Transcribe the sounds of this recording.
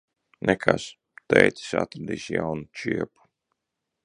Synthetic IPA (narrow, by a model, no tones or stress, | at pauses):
nʔekʰas | t̪ɛjt̪si̥sa̰t̪ɾad̪iːsjawnut͡ʃiɛpu̥